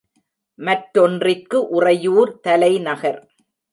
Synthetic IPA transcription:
mɐʈːɔndrɪkːɯʔʊrɐjuːɾt̪ɐlɐɪnɐɣɐɾ

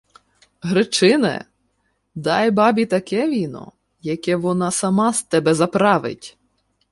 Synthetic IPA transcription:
ɦɾɪt͡ʃɪnɛ̰ | d̪ɑjbɑbʲit̪ɐkɛʋʲinɔ̰ | jɐkɛʋɔnɑsɐmɑst̪ɛbɛzɐpɾɑʋɪ̰tʲ

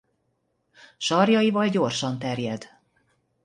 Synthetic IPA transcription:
ʃɒrjɒjivɒlɟo̞rʃɒnt̪ɛrjɛd̪

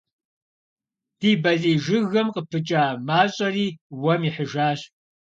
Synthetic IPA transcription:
d̥iːbɐɮʼiːʒɨɣɐmqəpʰɨt͡ʃʼaːmaːɕʼɐriːwɐmiħəʒaːɕ

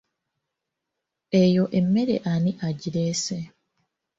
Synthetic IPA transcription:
ejo̞ʔemːeɾḛʔaniʔaɟiɾeːse

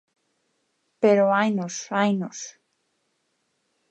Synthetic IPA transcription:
peɾoajnosajnos

